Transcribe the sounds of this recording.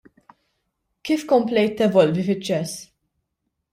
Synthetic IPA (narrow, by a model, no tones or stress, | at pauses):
kiːfkɔmplɛjt̪ːɛvɔlvifɪt͡ʃːɛs